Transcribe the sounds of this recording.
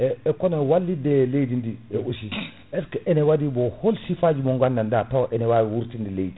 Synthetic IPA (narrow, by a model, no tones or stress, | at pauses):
eekonewalːideleidindieusi | eskeʔenewadiboholsifad͡ʒimoŋɡandandatawʔenewawuɾtindileidi